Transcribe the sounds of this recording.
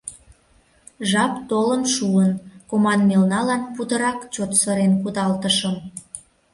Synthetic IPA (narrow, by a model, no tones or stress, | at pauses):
ʒɑpt̪olənʃuənkomɑnmelnɑlɑnput̪əɾɑkt͡ɕot̪sə̆ɾenkud̪ɑlt̪əʃəm